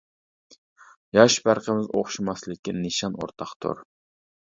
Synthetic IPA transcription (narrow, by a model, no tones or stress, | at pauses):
jɑʃbæɾqəmɪzo̰χʃumɑslˠɪkʲːɪnɨʃɑno̰ɾt̪ʰɑχt̪ʰʊ̰ɾ